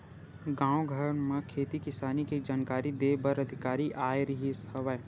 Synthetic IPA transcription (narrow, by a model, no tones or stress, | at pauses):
ɡãːwoɡʱəɾɳmẽkʰeːt̪ikɪsaːnikid͡ʒaːnkaːɾid̪eːbɐɾɐd̪ʱɪkaːɾiʔaːeɾiɦishɐʋəe